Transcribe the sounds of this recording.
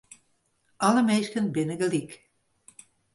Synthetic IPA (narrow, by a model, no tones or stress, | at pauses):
ɑləmejʃkənbenəɡəlik